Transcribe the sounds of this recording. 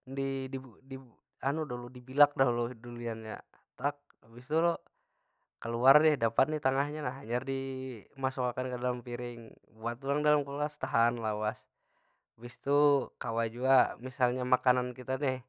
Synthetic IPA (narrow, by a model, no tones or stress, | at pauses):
ndididi | anudoludibilak̚daɦlɔdulianja̰ | t̪ak̚bist̪ulɔ | kəluardɛhdapat̪̚nit̪aŋaɦɲanaɦaɲardimasɔkakankədalampiɾɪŋ | buat̪ulaŋdalamkuluast̪aɦanlawas | bist̪ukawad͡ʒuamisalɲamakanankit̪anɛh